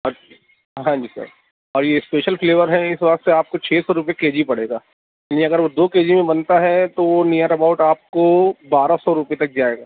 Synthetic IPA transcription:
ɔɾ | ɦãːɲd͡ʒisə̰ɾ | ɔːɾjespeːʃəlfleːʋəɾɦɛ̃ɪsʋɐkt̪seaːp̚kot͡ʃʰeːsɔɾʊp̬jekeːd͡ʒipɐɽ̤eːɡaː | lĩɐɡəɾʋod̪oːkeːd͡ʒimẽbɐnt̪aɦɛt̪oʋonijaɾɐbaːʊʈaːp̚kobaːɾasɔɾʊpet̪ɐk̚d͡ʒaːeːɡaː

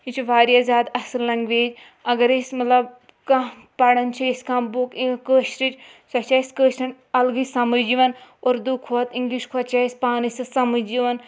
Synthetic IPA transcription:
it͡ʃʰiʋaːɾijazʲaːd̪ɐsɨllɐŋɡʋeːd͡ʒ | ɐɡɐɾesmɐt̪lɐb̚ | kã | pɐɽɐnt͡ʃʰiiskãːboːkiŋkəːʃɾit͡ʃsɐt͡ʃaːiskəːʃɾɐn | ɐlɡisɐmɨd͡ʒiʋɐnoːɾd̪ukʰoɐt̪iŋɡliʃkʰɐt͡ʃaːisʲpaːnisɐsɐmɨd͡ʒiʋɐn

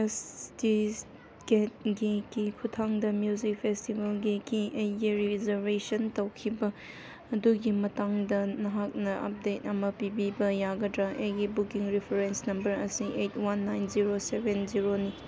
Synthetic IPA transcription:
esti | ɡet̚ɡikikʰutʰaŋdɐmjuzik̚pʰestibɐlɡikiʔejɡiɾizebesɐntɐwkʰibɐː | duɡimɐtaŋdɐnɐɦak̚nɐʔɐ̰p̚det̚ɐmɐpibibɐjaɡɐdɾɐʔejɡibukiŋɾipʰeɾensnɐmbɐɾɐ̰siʔet̚ʰwanːajnziɾosebenziɾoni

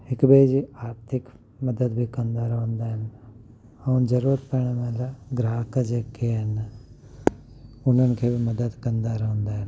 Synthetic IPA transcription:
ɦɪkbed͡ʒiaːɾt̪ʰɪk | mɐd̪əd̪bʱikɐnd̪aɾɐɦõnd̪aɦɪn | ɐnd͡ʒəɾuːɾət̪pəɾɽ̃mẽɾaɡɾaːkd͡ʒeːkeɦɐn | ʊn̤ənkʰeːbʱimɐd̪əd̪kɐnd̪aɾɐɦʊ̃nd̪aːɦɪn

